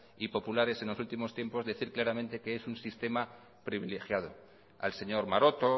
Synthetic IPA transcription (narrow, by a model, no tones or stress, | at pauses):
ipo̞pulaɾe̞se̞nlosult̪imo̞st̪je̞mpo̞zðe̞θiɾklaɾamẽnt̪e̞keesunsist̪e̞ma | pɾiβ̞ile̞xjað̞o̞ | a̰lse̞ɲo̞ɾmaɾo̞t̪o̞